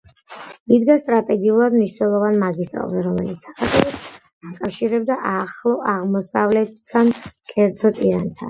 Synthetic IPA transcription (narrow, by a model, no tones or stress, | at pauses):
id̪ɡast̪ʼɾat̪ʼɛɡiulˠad̪mniʃnɛlˠɔvanmaɡist̪ʼɾa̰lˠzɛɾɔmɛlit̪sʰsḁkat̪ʼʰɛɔs | akʼafʃiɾɛb̚d̪aʔaχlˠɔʔaʁmɔsavlɛt̪ʰːankʼɛɾd̪zɔt̪ʼiɾant̪ʰa̰n